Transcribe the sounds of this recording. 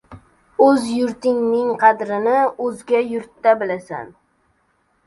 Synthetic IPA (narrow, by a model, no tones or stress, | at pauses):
ɵzjʊɾt̪ɪŋnɪŋqʰɑd̪ɾɪnɪɵzɡʲajʊɾt̪ːabɪlasa̰n